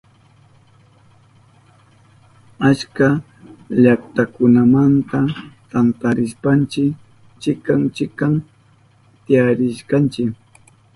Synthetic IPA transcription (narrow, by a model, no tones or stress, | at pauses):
at͡ʃka | ʎakt̪akʊnamant̪at̪ant̪aɾɪʃpant͡ʃɪk | t͡ʃɪkaŋt͡ʃɪkam | t̪ɪaɾɪʃkɑnt͡ʃɪk